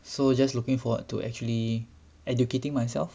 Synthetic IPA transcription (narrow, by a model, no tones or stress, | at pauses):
sod͡ʒaslukĩŋfɔwə̰ttːṵʔɛ̰k̚t͡ʃuəli | ɛdjuketɪ̃ŋmajsɛ̰lf